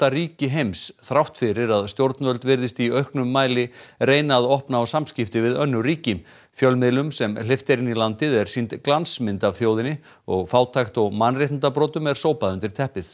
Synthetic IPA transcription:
t̪aɾiːcɪɦejmsθɾawht̪fɪɾɪɾaðst̪jowɾt̪nvœlt̪vɪɾðɪst̪iœɥhknʏmːaːjlɪreːjnaðɔhpnaɔsamscɪft̪ɪvɪðœnːʏɾiːcɪm | fjœlmɪlʏmsɛml̥ɪft̪ɛɾɪnːilant̪ɪðɛɾ̥sint̪klansmɪnt̪avθjoːwðɪnːɪ | ɔɣfaːwt̪ʰajxt̪ɔɣmanrejht̪nt̪apɾɔːt̪ʏmɛɾ̥soːwpaðʏnt̪ɪɾ̥t̪ʰɛhpɪθ

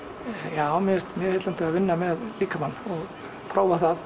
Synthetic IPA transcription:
jaːwmɛst̪mjɛhejt̪lant̪ɪavɪnːamɛðliːkamanːɔɣ | t̪ʰɾoːwvaθað

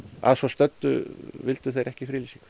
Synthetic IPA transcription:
a̰ðsɔst̪œt̪ːʏ̰vɪlt̪ʏθejɾʔɛhcɪifɾilisik

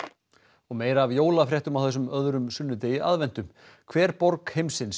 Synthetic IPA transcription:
ɔɣmeːjɾaːvjoːwlafɾjɛht̪ʏmawθɛs̬ːʏmœðɾʏmsʏnːʏt̪eːjɪa̰ðvɛnt̪ʏm | kʰvɛːɾ̥pɔɾkhejmsɪns

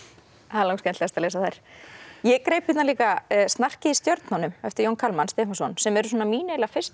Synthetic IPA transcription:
haːlowŋkskɛnt̪ast̪aleːsaθajɾ̥jɛkɾejphɪt̪nanliːkast̪nar̥cɪist̪jœɾt̪nanʏmɛft̪ɪɾjownkʰalmanst̪ehmasɔnsɛmɛɾʏs̬uɔːnamiːnejlafɪ̥st̪

